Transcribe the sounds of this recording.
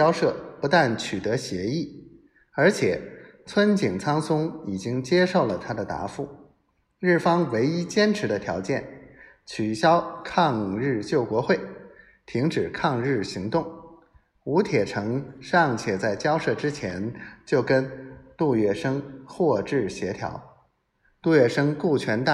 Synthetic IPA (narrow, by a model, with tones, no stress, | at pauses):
jɑ˥ʊʂɤ˥˩pu˧˥t̪a˥˩nt͡ɕʰy˨˩t̪ɤ˧˥ɕjɛ˧˥i˥˩ | ə˞˧˥t͡ɕʰjɛ˨˩˦t͡sʰwə˥nt͡ɕi˨˩ŋt͡sʰɑ˥ŋsʊ˥ŋi˨˩t͡ɕi˥ŋt͡ɕjɛ˥ʂo˥˩ʊlə˩t̪ʰa˥d̪ə˨t̪a̰˧˥fu˥˩ | ɻɻ̩˥˩fɑ˥ŋwe˧˥ɪi˥t͡ɕjɛ˥nʈ͡ʂʰɻ̩˧˥d̪ə˧t̪ʰjɑ̰˧˥ʊt͡ɕjɛ˥˩n | t͡ɕʰy˨˩ɕjɑ˥ʊkʰɑ˥˧ŋɻɻ̩˥˧t͡ɕjo˥˩ʊkwɔ˧˥xwe˥˩ɪ | t̪ʰi˧˥ŋʈ͡ʂɻ̩˨˩kʰɑ˥˧ŋɻɻ̩˥˩ɕi˧˥ŋt̪ʊ˥˩ŋ | u˧˥t̪ʰjɛ˨˩ʈ͡ʂʰɤ˧˥ŋʂɑ˥˧ŋt͡ɕʰjɛ˨˩t͡sa˥˩ɪt͡ɕjɑ˥ʊʂɤ˥˩ʈ͡ʂɻ̩˥t͡ɕʰjɛ˧˥nt͡ɕjo˥˩ʊkə˥nt̪u˥˧ɥɛ˥˩ʂɤ˥ŋxwɔ˥˧ʈ͡ʂɻ̩˥˩ɕjɛ˧˥t̪ʰjɑ̰˧˥ʊ | t̪u˥˧ɥɛ˥˩ʂɤ˥ŋku˥˩t͡ɕʰɥɛ˧˥nt̪a˥˩